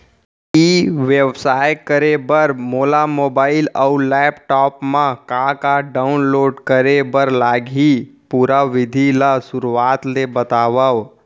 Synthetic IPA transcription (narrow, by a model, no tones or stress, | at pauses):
iʋebsaːjkəɾebəɾmoːlamoːbaːɪləʊlɛːpʈɔːpmãkãkaɖaʊnloːɖkəɾebəɾlaːɡʱipuɾaʋɪd̪ʱilasʊɾuaːt̪lebət̪aːʋəʋ